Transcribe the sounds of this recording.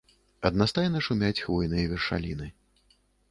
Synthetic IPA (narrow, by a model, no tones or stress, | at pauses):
ɐd̪nast̪ajnɐʂumʲat͡sʲxvɔjnɨjɐvʲɛrʂa̰lʲinɨ